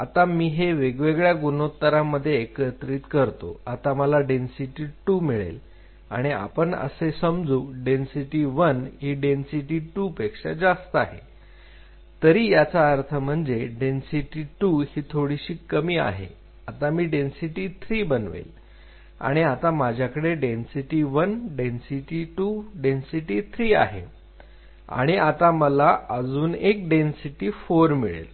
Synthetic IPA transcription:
at̪amiːɦeʋeɡʋeɡɭjaɡunot̪ːəɾamːəd̪ʱːjeːkət̪ɾiːt̪kəɾt̪o̰at̪aməlaɖensiʈiːʈuːmiɭḛl | a̰ɽ̃ia̰pəɳə̰sesəmd͡zuːɖensiʈiʋənɦiɖensiʈiʈuːpekʂa̰d͡zast̪əaɦḛ | t̪əɾiːjat͡saːɾt̪ʰəm̤əɳd͡zeɖensiʈiːʈuhit̪ʰoɽiɕiːkːəmiːa̰ɦḛ | at̪amiːɖensiʈiːt̪ʰɾiːbənʋḛl | a̰ɽ̃iat̪amad͡ʑʱjakəɽeɖensiʈiʋənɖensiʈiʈuɖensiʈiːt̪ʰɾiːa̰ɦḛ | a̰ɽ̃iʔat̪aməlaəd͡zuːnek̚ɖensiʈiːfoɾmiɭḛl

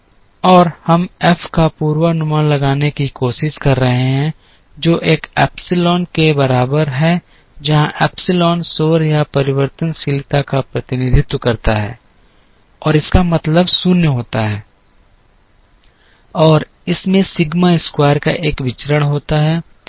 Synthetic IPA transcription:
ɔːɾhɐmɛfʰkapuːɾwanʊmaːlɐɡaːnekikoːʃɪʃkɐɾːɐɦeɦɛ̃ | d͡ʒoːʔeːkɛ̰ːpsɪlɔːnkebɐɾaːbəɾɦɛ | d͡ʒɐɦãʔɛːpsɪlɔːnsoːɾjapɐɾɪwəɾt̪ənsɪlɪt̪akapɾɐt̪ɪnɪd̪ʱɪt̪wəkɐɾt̪aɦɛ̰ː | ɔːɾɪskamɐt̪ləbsʊnjəɦoːt̪aɦɛː | ɔːɾ | ɪsmẽsɪɡmaɪskwaːɾka̰ʔeːkʋɪt͡ʃəɾəɽ̃ɦoːt̪aɦɛː

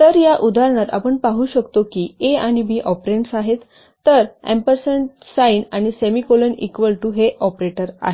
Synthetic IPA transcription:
t̪əɾjaʔud̪ʱaɾɳ̃at̪a̰pəɳpaɦuːɕəkt̪okiːeaɽ̃ibiːʔɔpɾeɳʈsaɦet̪ː | əɾḛmpəɾsəɳ | sainaɽ̃isemikolənḭkʋəlʈuɦeʔɔpɾeʈəɾa̰ɦe

